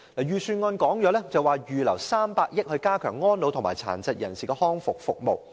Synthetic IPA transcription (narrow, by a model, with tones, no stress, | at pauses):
laː˨˩jyː˨˩syː˧nŋɔː˧nkɔː˨˥ŋjɔː˨˥lɛː˥t͡sɐ˨waː˨jyː˨lɐ˨˩wsaː˥mpaː˧k̚jɪ˥k̚hɵ˧ɥkaː˥kʰœː˨˩ŋːɔː˥nlo˨˧wt̪ʰŋmaː˨˩jt͡sʰa̰ː˨˩nt͡sɐ˨t̚jɐ˨˩nsiː˨˩kɛ˧hɔː˥ŋfʊ˨k̚fʊ˨k̚mo˨w